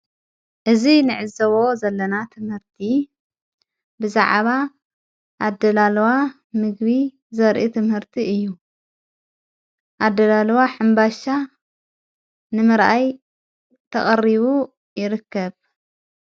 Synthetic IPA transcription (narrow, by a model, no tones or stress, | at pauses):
ʔɨzinɨʕɨzːɐβozɐlːɐnat̪ʰɨmhɨɾt̪ʰi | bɨza̰ʕβa | ʔad̪ːɐlalwa | mɨɡβi | zɐɾʔit̪ʰɨmhɨɾt̪ʰiɨjːu | ʔad̪ːɐlalwaħɨmbaʃa | nɨmɨɾʔaj | t̪ʰɐ̰χʼɐriβu | jɪɾɨkːɐβ